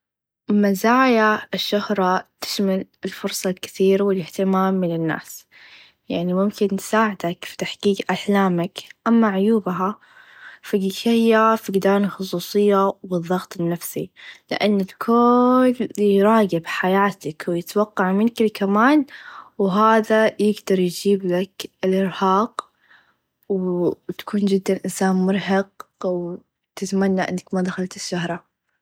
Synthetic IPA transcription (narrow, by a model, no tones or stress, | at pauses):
mazaːjaɪʃːʊhɾˤɑt̪ɪ̥ʃmalɪlfʊɾsˤɑlkɪ̥θiːɾawɪlɪht̪ɪmaːmːɪnɪnːa̰ːs | jaʕnimʊmkɪnt̪saːʕɪd̪akfi̥t̪aħɡ̥iːɡʔaħlaːmakʔamːaʕʊjuːbɦa | faɡʃahjːafiɡd̪aːnlxʊs̬ˤuːsˤɨjːawɨðˤːɑɣt̪ˤɪnːafsilɪ̰ʔanːɪlkʰʊljɾˤɑːɡɪbħajaːt̪akwjɪt̪wɑqːɑʕmɪnkɪlkamaːnwɦaːðajɪɡd̪ɑɾˤjd͡ʒiːblakɪlʔɪɾhɑːq | wt̪ḁkʰuːnd͡ʒɪd̪ːanʔɪnsaːnmʊɾˤɦɑq̚w | t̪ɪt̪manːaʔɪ̰nːakmad̪axalt̪ɪʃːahɾˤɑ